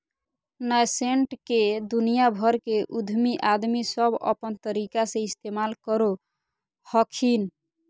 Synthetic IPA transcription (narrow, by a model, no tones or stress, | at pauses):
nəjseɳʈked̪unijabʱəɾkeʔud̪ʱmiʔad̪misəbə̰pənt̪əɾikasẽist̪emalkəɾo | həkʰin